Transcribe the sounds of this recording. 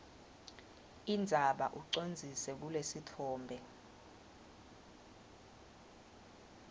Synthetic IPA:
indʱaɓa̰ʔuǀond͡zʱisɛk̬ulesitʰɔːmbʱɛ

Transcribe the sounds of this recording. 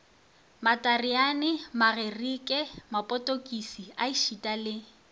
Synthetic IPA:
matʼarianɪmarerikʼɛmapʼɔtʼokʼisiaiʃitʼalɪ

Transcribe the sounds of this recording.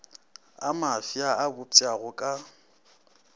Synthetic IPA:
amafjaabʊt͡sʼjaɣʊkʼa

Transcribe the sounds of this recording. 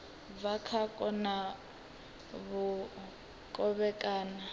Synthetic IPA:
vakʰakʼɔna | βu | kʼɔβɛkʼaːna

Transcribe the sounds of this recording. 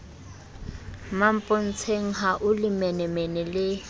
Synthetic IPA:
mam̩pʼon̩t͡sʰeŋ̩ɦaʔʊlɪmɛnɛmɛnɛlɪ

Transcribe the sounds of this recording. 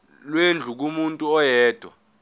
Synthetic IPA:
lwend͡ɮʱuk̬umuntʼuɔjɛːd̥ʱwa̰

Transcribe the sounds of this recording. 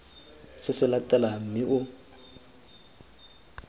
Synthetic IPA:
sɪsɪlatʼɛlam̩mɪʔʊ

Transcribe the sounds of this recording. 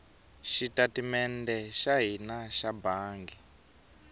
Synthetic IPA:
ʃitatimɛndɛʃaɦinaʃabaːŋɡi

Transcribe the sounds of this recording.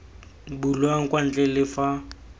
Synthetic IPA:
bulwaŋ̩kʼwan̩t͡ɬʼɛlɪfa

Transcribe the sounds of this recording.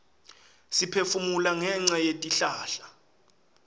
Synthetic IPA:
sipʰefumulaŋɛŋ͡ǀajetʼiɬaːɬḁ

